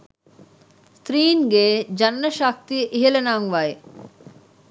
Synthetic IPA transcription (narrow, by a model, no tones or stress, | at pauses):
st̪ɾiːŋɡeːd͡ʒɐnːɐʃak̚t̪ijəʔiɦelɐnaŋʋae